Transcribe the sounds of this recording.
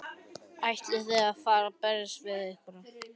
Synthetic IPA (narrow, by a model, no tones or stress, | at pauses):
ajht̪ɪθɛɣaðfaːɾapɛɾɪsvɪðɪhkvʏɾa